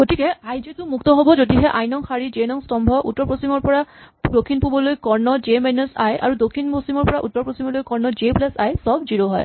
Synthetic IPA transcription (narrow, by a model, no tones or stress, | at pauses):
ɡotikɛajzetʊmuk̚tɔɦobɔzodiɦɛʔajnɔŋxaɹid͡ʒenɔŋstɔmbʱɔʔṵtːɔɹpɹosimɔɹpɔɹa | dokʰːinpubɔlojkɔɹnɔd͡ʒemanusajʔa̰ɹudokʰinposimɔɹpɔɹaʔutːɔɹpɹosimɔlojkɔɹnɔd͡ʒeplɛsajsɔb̚ziɹoɦɔ̰j